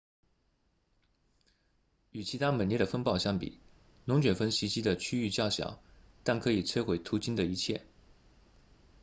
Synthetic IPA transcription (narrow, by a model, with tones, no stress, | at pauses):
y˨˩t͡ɕʰi˧˥t̪ʰa˥mə˨˩njɛ˥˩ɾə˩fə˥npɑ˥˧ʊɕjɑ˥ŋpḭ˨˩˦ | nʊ˧˥ŋt͡ɕɥɛ˨˩nfə˥nɕi˧˥t͡ɕi˥d̪ə˨t͡ɕʰy˥y˥˧t͡ɕjɑ˥˩ʊɕjɑ̰˨˩˦ʊ | t̪a˥˩nkʰɤ˧˥i˨˩t͡sʰwe˥ɪxwe˧˥ɪt̪ʰu˧˥t͡ɕi˥nd̪ə˨i˧˥t͡ɕʰjɛ̰˥˩